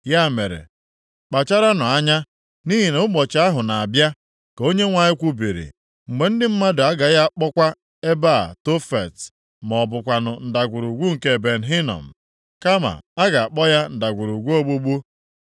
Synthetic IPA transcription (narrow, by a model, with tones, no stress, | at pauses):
ja˦˨me˨ɾḛ˨ | k͡pa˨t͡ʃa˦ɾa˦nʊ˨a˦ɲa˦ | ni˦ɦi˨ne˨ʊ˦k͡pɔ˨t͡ʃɪ˨a˦ɦʊ˨na˨a˨bja˦ | ko˦ɲe˦ŋʷa˨ɲɪ˦kʷu˦bi˨ɾḭ˨ | ŋ͡m̩˨ɡ͡be˨n̩˦dɪ˦m̩˦ma˦dʊ˨a˦ɡa˨ja˦k͡pɔ˦kʷa˦ | e˦ba̰˦˨to˦fḛ˨t | m˨ɔ˨bʊ˨kʷa˨nʊ˨n̩˨da˨ɡʷu˨ɾu˨ɡʷu˦ŋ̩˨ke˦˨be˨n̩˨ɦi˦nɔ̰˨m̩˨ | ka˦ma̰˨a˦ɡa˨a˨k͡pɔ˦ja˦n̩˨da˨ɡʷu˨ɾu˨ɡʷu˦o˦ɡ͡bu˦ɡ͡bu˦